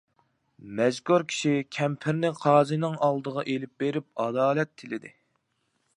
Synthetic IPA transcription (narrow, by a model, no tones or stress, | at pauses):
mɛzɡuɾkʲʰi̥ʃikʲʰɛmpʰɪɾnɪqʰɑːzɨnɪŋɑlˠd̪əʁɑʔelɪp̚beɾɪp̚ɑd̪ɑːlɛt̪ʰːɪlɪd̪ɪ̰